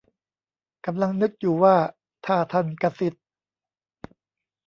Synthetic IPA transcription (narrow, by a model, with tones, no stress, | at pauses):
ka˧mla˧ŋnɯ˦˥k̚juː˨˩waː˥˩ | t̪ʰaː˥˩t̪ʰa˧˩nka˧si˨˩t̪̚